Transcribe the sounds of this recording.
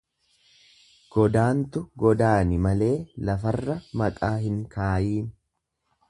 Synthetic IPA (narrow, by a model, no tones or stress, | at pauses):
ɡ̥ɔd̪aːnt̪ʊɡɔd̪aːnɪmɐle̞ːlɐfɐrːɐmɐkʼaːhɪŋkaːjiːn